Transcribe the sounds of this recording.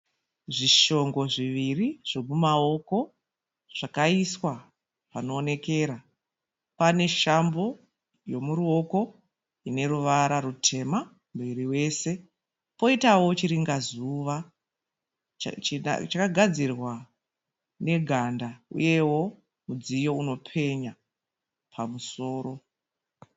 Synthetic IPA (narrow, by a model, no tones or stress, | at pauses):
ʐiʃo̞ŋɡo̞ʐiʋiriʐ̥o̞mumao̞ko̞ | ʐ̥akaiswa | pano̞ːne̞ke̞ːɾa | pane̞ʃambo̞ | jo̞muɾuo̞ko̞ | ine̞ɾuʋaɾaɾutʰe̞ma | miɾiwe̞ːse̞ | po̞itawo̞t͡ʃiɾiŋɡazuʋa | t͡ʃakaɡʱad͡zirwa | ne̞ɡʱandaṵje̞wo̞ | mud͡zijo̞uno̞pʰe̞ɲa | pʰamuso̞ːɾo̞